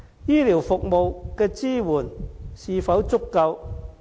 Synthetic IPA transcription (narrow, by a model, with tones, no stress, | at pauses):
jiː˥liː˨˩wfʊ˨k̚mo˨wkɛː˧t͡siː˥wuː˨˩nsiː˨fɐ˨˥wt͡sʊ˥kːɐ˧w